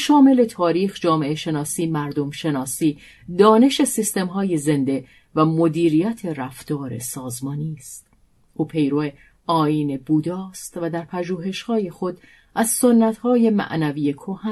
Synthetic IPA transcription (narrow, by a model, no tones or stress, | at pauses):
ʃɒːme̞le̞t̪ʰɒːɾiːxd͡ʒɒːme̞ʔeʃe̞nɒːsiːmæɾd̪omʃe̞nɒːsiː | d̪ɒːne̞ʃe̞sist̪e̞mɦɒːje̞ze̞nd̪e̞ | væmo̞d̪iːɾijæt̪ʰe̞ɾæft̪ɒːɾe̞̰sɒːzmɒːniːst̪ | ʔuːpʰe̞jɾoe | ʔɒːiːne̞buːd̪ɒːst̪væd̪æɾpʰæʒuːɦe̞ʃhɒːje̞xo̞d̪ | ʔæzsonːæt̪hɒːje̞mæ̰ʔnæviːjekʰohæ